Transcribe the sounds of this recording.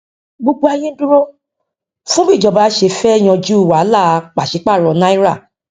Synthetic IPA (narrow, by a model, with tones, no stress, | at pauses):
ɡ͡bo˧ɡ͡bo˧a˧jẽ˦dũ˦ɾo˦ | fũ˦bĩ˦˨d͡ʒɔ˨ba˨˧˦ʃe˧˨fɛ˦˨j̃ɔ̃˧d͡ʒu˦˨wa˨˦la˦˨˧k͡pa˨ʃi˨˦k͡pa˦˨ɾɔ˨nã˦i˦ɾa˦˨